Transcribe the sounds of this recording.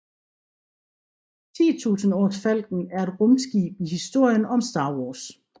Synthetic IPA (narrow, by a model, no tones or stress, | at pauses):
t͡sʰḭːt͡sʰṵːsn̩ɔd̥fæl̰ɡ̥n̩æɐe̝d̥ʁɔmsɡ̥ḭːb̥ihisd̥o̝ɐ̰jənɒ̽msd̥ɑ̈ːwɒːs